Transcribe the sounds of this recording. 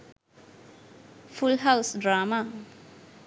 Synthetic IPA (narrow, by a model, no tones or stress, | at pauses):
fulɦawsdɹaːma